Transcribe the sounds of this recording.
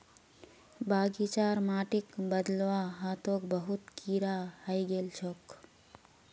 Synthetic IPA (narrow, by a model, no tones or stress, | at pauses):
baːɡit͡ʃaːɾmaːʈikbəd̪lʋaɦaːt̪ok̚bəɦut̪kiːɾahəjɡelt͡ʃʰoːk